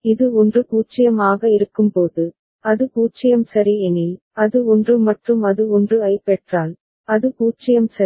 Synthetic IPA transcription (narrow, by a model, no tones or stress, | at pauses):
ɪðɯɔndrɯkuːt͡ʃːɪjɐmaːɣɐɪɾɯkːɯmpoːðɯ | ɐðɯkuːt͡ʃɪjɐmsɐɾiɛni | ɐðɯɔndrɯmɐʈrɯmɐðɯɔndrɯɐɪpːɛʈraːl | ɐðɯkuːt͡ʃɪjɐmsɐ